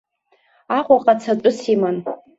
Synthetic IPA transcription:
aqʷʼaqʼat͡sʰaʈ͡ʂʷʼʊsiman

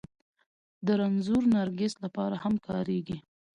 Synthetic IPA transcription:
d̪əɾanzuɾnaɾɡeslapɑɾahamkɑɾeɡi

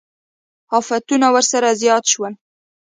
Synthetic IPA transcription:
ɑfat̪unawəɾsaɾazjɑt̪ʃwəl

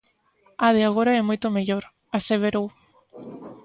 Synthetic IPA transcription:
að̞eaɣ̞oɾaɛmojt̪omeʎoɾ | aseβ̞eɾow

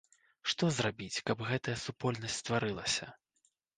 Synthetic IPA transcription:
ʂt̪ɔzrabʲit͡sʲkɐbɣɛt̪ɐjɐsupɔlʲnɐsʲtʲst̪vaɾɨlˠɐsʲɐ

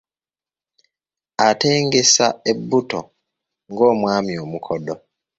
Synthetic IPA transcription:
ate̞ːŋɡe̞saebːuto | ŋɡo̞ːmwaːmjo̞ːmukʰodo

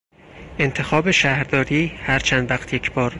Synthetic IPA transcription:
ʔe̞nt̪ʰe̞xɒːbeʃæhɾd̪ɒːɾiːhæɾt͡ʃʰænd̪væxt̪ʰjecʰb̥ɒːɾ

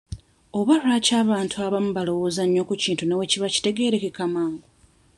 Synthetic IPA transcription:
oβalulacaːβaːntʰuaβamuβalo̞wo̞ːzaɲːo̞kuciːntunewe̞ciβaci̥te̞ɡe̞ɾe̞kekamaːŋɡo

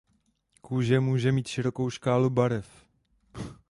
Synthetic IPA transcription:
kuːʒɛmuːʒɛmiːt̪ʃɪɾo̞ko̞wʃkaːlubaɾɛf

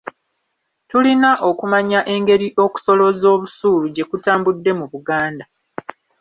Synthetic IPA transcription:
tulinaʔo̞kumaɲaʔe̞ŋɡe̞ɾiʔo̞ku̥so̞lo̞zo̞ːβusuːluɟe̞kutaːmbudːe̞muβuɡaːnda

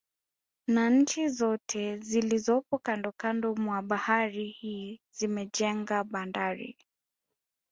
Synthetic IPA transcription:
naɲ̩t͡ʃizɔtʰɛzilizɔpɔkandɔkandɔmwaɓahaɾihiːzimɛd͡ʒɛŋɡaɓandaɾḭ

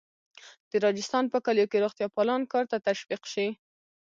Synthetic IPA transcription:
d̪̥əɾɑd͡ʒɪst̪ɑnpəkaljokeɾoχt̪jɑpɑlɑnkɑɾt̪at̪aʃbiqʃi

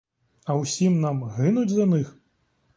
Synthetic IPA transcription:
ɐwsʲimnamɣɨnud͡zʲzanɨx

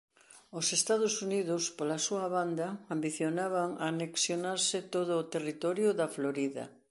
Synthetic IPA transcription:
osest̪að̞ʊsuniðʊspolasuɐβand̪ɐambiθjonaβaŋaneksjonaɾsɪt̪oðʊːt̪erit̪ɔɾjʊðɐfloɾiðɐ̰

